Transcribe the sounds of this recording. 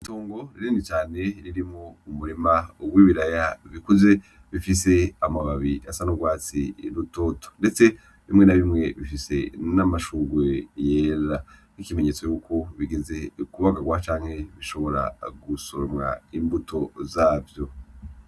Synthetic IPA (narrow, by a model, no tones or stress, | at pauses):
itoːŋɡo̞ɾiɾinit͡ʃaːne̞ɾiɾimŋo̞umuɾimawiβiɾajaβikuze̞ | βifise̞amaβaβiʔasanuɡwaːt͡siɾuto̞ːto̥nde̞t͡se̞ | βimŋe̞naβimŋe̞βifise̞̰namaʃuːɡwejeːɾanikime̞ɲe̞t͡so̞juːkʰo̞βiɡeze̞kuβaɡaɡwat͡ʃaːŋ̥he̞βiʃo̞βo̞ɾa̰ɡusoɾomŋa̰imbutʰo̞zaːvjo̞